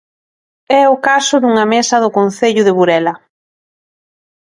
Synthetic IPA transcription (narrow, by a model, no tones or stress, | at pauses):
ɛʊkasʊðuŋɐmesɐðʊkon̟θeʎʊðɪβuɾɛlɐ